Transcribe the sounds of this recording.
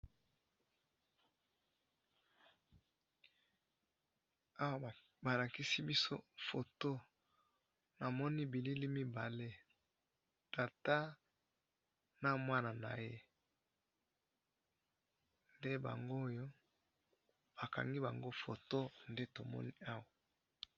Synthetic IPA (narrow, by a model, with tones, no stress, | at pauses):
a˦wa˦˨ | ba˨la˨ki˦si˦bi˦so̰˦fo˨to˦ | na˨mɔ˦ni˦bi˨li˦li˦mi˦ba˨le˦ | ta˨ta˦ | na˦mwa˦na˨na̰˨je˦ | nde˦ba̰˨ŋɡo˦jo˦ | ba˨ka̰˨ŋɡi˦ba˨ŋɡo˦fo˨to˦nde˦to˨mɔ̰˦ni˦a˦wa˨